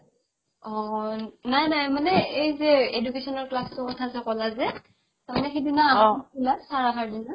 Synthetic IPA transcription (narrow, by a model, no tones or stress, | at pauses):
ɔnajnajmanɛejzɛedukesɔnɔɹklastɔkɔtʰazɛkɔlazɛ | tamnɛxidinaaulasaɹakʰaɹdina